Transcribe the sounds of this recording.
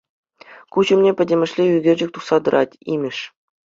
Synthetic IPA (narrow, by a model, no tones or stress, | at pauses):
kuʑɘ̆mnʲepʲɘ̆dʲɘ̆mʲɘ̆ʂlʲeyɡʲerʲd͡ʑɘ̆k̚ʲt̪uχsɑd̪ɤ̆ɾʔɑtʲimʲɘ̆ʂ